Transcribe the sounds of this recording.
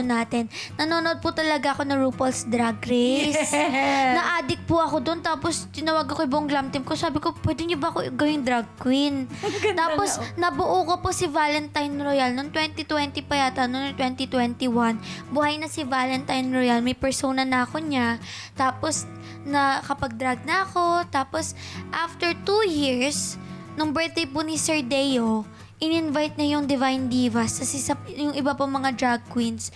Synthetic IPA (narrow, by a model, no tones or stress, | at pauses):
onaːt̪ɛnːɐnoːnoʔod̪̚pʊt̪ɐlɐɡaʔɐko̞nɐŋɹuːpolsd̪ɾaɡɾɛsnɐʔaːd̪ɪk̚pʊʔɐko̞d̪ont̪aːpost̪ɪnɐwaːɡ̚kːokɐjbʊʔʊŋɡlamt̪ɪmkosaːbɪko̞pwɛːd̪ɪɲobɐɐkoɡɐwɪŋd̪ɾaɡ̚kwɪnt̪aːposnɐbʊʔukoposɪvaːlɛnt̪ɐjnɾojɐlnont̪wɛnt̪it̪wɛnt̪ipɐjaːt̪ɐnonŋt̪wɛnt̪it̪wɛnt̪iwanbʊhajnɐsɪvaːlɛnt̪ajnɾojɐlmɐjpɛɹsoːnɐnɐɐkoɲa | t̪aːpos | nɐkɐpɐɡ̚d̪ɾɐɡ̚nɐɐko̞t̪aːposʔaft̪ɛɹt̪ujiɹs | nʊŋbɛɹt̪̚d̪ejpʊnɪsɛɹd̪ɛjo | ʔɪnɪɪnvajt̪̚ɲɐjʊŋd̪ɪvajnd̪iːvɐsɐsɛsɐjʊŋɪbapɐŋmɐŋad̪ɹaɡ̚kwins